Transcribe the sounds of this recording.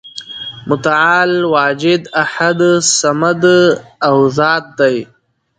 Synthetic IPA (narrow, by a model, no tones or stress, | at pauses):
mʊt̪aʕaːlwɑːd͡ʒɪd̪aħad̪samad̪awzɑːt̪̚d̪aj